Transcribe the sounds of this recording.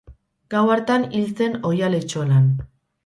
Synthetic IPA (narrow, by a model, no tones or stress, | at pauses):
ɡ̥awaɾt̪anilt͡se̞no̞jalet͡ʃolan